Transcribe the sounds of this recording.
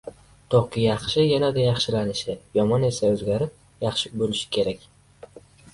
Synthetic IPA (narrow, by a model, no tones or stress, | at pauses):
d̪̥ʰoχkʲɪjɑχʃɪjanad̪ajɑχʃɪlanɪʃɪjɒmɒne̞saɵzɡʲaɾɪp̚ | jɑχʃɪbolɪʃɪ̥kʲʰe̞ɾakʲ